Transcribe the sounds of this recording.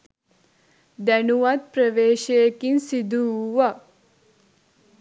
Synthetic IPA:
d̪ænuʋat̪̚pɾəʋeːʃejekinsid̪uʋɐ

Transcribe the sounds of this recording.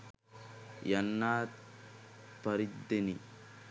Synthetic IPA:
jɐnːaːt̪ | pɐɾɪd̪ːɛnɪ

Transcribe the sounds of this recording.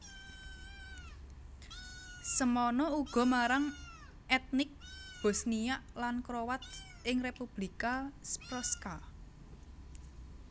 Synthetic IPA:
səmɔnɔuɡ̥ɔ̤maɾaŋ | ɛt̪̚nɪk̚b̥ɔ̤snijaʔlankɾowat̪̚ | ɪŋrepub̥likaspɾɔska

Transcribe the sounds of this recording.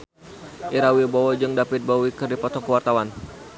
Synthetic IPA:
ʔiɾawibowɔd͡ʒɨŋdapɪt̪̚bawikɨrdipɔt̪ɔŋkəwart̪awan

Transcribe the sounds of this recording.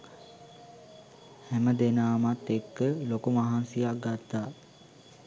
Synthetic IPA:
hɛməd̪enaːmat̪ːekːəlokumaɦansijak̚ɡat̪ːaː

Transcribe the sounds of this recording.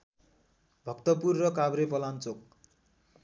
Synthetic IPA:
bʱʌkt̪ʌpurːʌkabɾepʌlant͡sok̚

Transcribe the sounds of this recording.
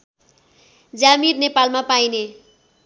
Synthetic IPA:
d͡zamirnepalmapajne

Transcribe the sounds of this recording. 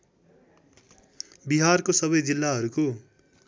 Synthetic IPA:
biɦarkosʌβʌjd͡zilːaɦʌɾuko

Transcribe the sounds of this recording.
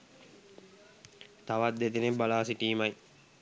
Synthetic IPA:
t̪aʋat̪̚d̪et̪enebalaːsiʈiːmaj

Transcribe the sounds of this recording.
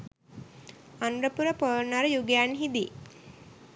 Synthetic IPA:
anɾəpuɾəpəːnəɾəjuɡijanɦid̪i

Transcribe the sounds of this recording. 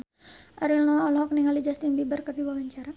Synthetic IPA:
ʔaɾilnɔwaɔlɦɔkniŋalid͡ʒast̪inbibərkapiwawaɲt͡ʃaɾa

